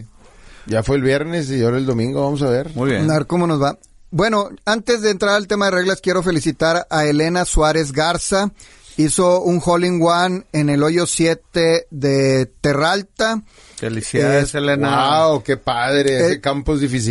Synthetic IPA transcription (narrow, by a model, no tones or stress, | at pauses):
ɟ͡ʝafweːlβje̞ɾne̞s̬ioɾaeld̪o̞mĩŋɡoβamos̬aβeɾmueaβeɾko̞mo̞no̞zβa | bwe̞no̞ant̪e̞zðe̞ːnt̪ɾaɾaelt̪e̞maðe̞re̞ɣlaskje̞ɾo̞fe̞lisit̪aɾae̞le̞naswaɾe̞zɣaɾsa | iso̞uŋxoliŋɡwane̞ne̞lo̞jo̞sje̞t̪eðe̞t̪e̞ralt̪a | elisselenaaoke̞paðɾeesekampoezðifis̬i